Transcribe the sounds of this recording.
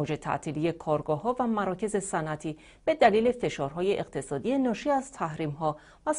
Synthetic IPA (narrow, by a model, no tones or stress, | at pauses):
od͡ʒe̞t̪ʰæ̰ʔt̪ʰiːlije̞kʰɒːɾɡɒːɦɒːvæmæɾɒːcʰe̞ze̞sænʔæt̪ʰiː | b̥e̞d̪æliːle̞fe̞ʃɒːɾɦɒːje̞ʔeqt̪ʰe̞sɒːd̪iːje̞nɒːʃiːæzt̪ʰæhɾiːmɦɒː | væ